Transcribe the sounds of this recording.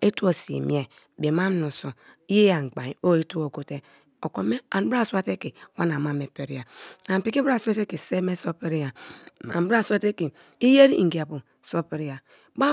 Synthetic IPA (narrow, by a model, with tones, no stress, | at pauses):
e˦tu˦o˨sḭ˨mḭ˨˦e˨ | be˨ma˦m˦nu˨so˨ | i˦je˦ja˨ŋ˨ɡ͡ba˨i˨o˦e˦tu˦o˨ko˨˦te˦ | o˨ko˦me˦a˨n˦bɾa˦˨sʷa˦te˦ki˨˦wa˦na˨ma˨me˨pe˨ɾi˦a˨na˨pi˦ki˦ba˦˨sa˦te˦ki˨se˦me˦so˦pe˦ɾi˦ja˨a̰˨n˨˦ba˦˨sa˦te˦ki˨ | i˦je˦ɾi˦˨ŋ̩˨ɡi˨a˨pu˨ | so˦pe˨ɾi˦ja˨ | ba˦